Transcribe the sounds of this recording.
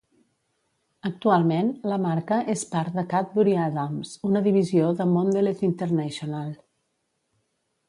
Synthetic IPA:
ək̚t̪ualˠmenləmaɾkəʔespaɾðəkat̪̚buɾiaðamzunəðiβizioðəmond̪elet̪int̪əɾnɛʃionalˠ

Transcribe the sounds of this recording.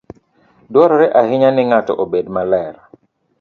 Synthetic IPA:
dwɔɾɔɾɛʔahɪɲanɪŋatɔ̰ʔobedmalɛɾ

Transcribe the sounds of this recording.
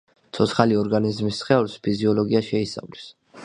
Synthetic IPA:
t̪sʰɔt̪sʰχaliɔɾɡanizmisːχɛlspʰiziɔlɔɡiaʃɛisa̰vlɛs

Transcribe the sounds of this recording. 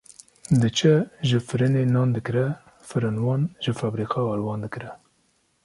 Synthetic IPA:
d̪ɨt͡ʃʰəʒəfɨɾɨnenɑːnd̪ɨkɾɛ | fɨɾɨnwɑːnʒəfɑːbɾiːqɑɑːlwɑːnd̪ɨkɾɛ

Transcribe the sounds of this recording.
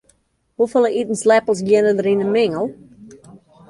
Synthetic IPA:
hufəlˠəʔitn̩slæpl̩ˠzɡɛnəðəɾĩnəmɪŋəlˠ

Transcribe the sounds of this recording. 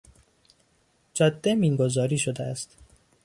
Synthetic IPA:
d͡ʒɒːd̪ːemiːŋɡo̞zɒːɾiːʃod̪eæst̪

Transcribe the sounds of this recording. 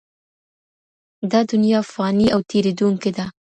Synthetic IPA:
d̪ɑd̪ʊnjɑfɑniʔawt̪ʰeɾed̪uŋked̪a

